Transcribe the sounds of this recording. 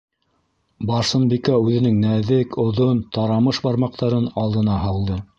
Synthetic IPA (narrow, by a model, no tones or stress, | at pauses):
bɑɾsɤ̆nbikæʉðɘ̆nɘŋnæðɘkʰŏðont̪ɑɾɑmɤʃbɑɾmɑq̚t̪ɑɾɤnɑlˠd̪ɤ̆nɑɦɑlˠd̪ɤ